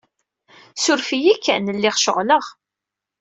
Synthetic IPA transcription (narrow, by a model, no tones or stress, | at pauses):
sʊɾfijikːænəlːɪʁʃə̰ʁləʁ